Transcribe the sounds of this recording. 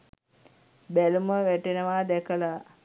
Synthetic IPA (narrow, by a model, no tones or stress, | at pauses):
bæluməʋæʈenəʋaːd̪ɛkəla